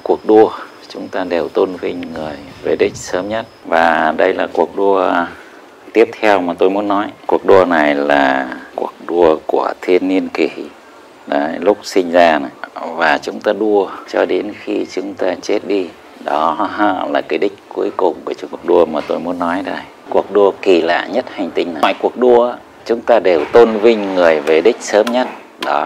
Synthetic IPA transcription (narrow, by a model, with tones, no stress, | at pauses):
ku˨˩ək̚ɗu˧ə | t͡ɕʊ˨˦ŋ͡mt̪aː˧ɗe˨˩wt̪o˧nvi˧ŋ̟ŋɨ˨˩əjve˨˩ɗï˦˥k̚səː˨˦mɲə˦˥t̚vaː˨˩ɗə˧jla̰ː˨˩ku˨˩ək̚ɗu˧ə | t̪i˦˥əp̚t̪ʰɛ˧wmaː˨˩t̪o˧jmu˨˦ənːɔ˨˦jku˨˩ək̚ɗu˧əna˨˩jlaː˨˩kṵ˨˩ək̚ɗu˧əku˧˩ət̪ʰi˧ənːi˧ənki˧˩ | ɗa˨˦lʊ˦˥k͡p̚sï˧ŋ̟zaː˧n˨˩vaː˨˩t͡ɕʊ˨˦ŋ͡mt̪aː˧ɗu˧ət͡ɕɔ˧ɗe˨˦nxi˧t͡ɕʊ˨˦ŋ͡mt̪aː˧t͡ɕe˦˥t̚ɗi˧ | ɗɔ˨˦ɦə̰ː˧˨laː˨˩kaː˨˦jɗï˦˥k̟̚ku˨˦əjkʊ˨˩ŋ͡mːt͡ɕək̚ɗu˧əmaː˨˩t̪o˧jmu˨˦ənːɔ˨˦jɗa˧˩j | ku˨˩ək̚ɗu˧əki˧˩la̰ː˧˨ɲə˦˥t̚ha˨˩ŋ̟t̪ï˧ŋ̟na˨˧˨jku˨˩ək̚ɗu˧əʔaː˧ | t͡ɕʊ˨˦ŋ͡mt̪aː˧ɗe˨˩wt̪o˧nvï˧ŋ̟ŋɨ˨˩əjve˨˩ɗï˦˥k̟̚səː˨˦mɲə˦˥t̚ | ɗɔ˨˦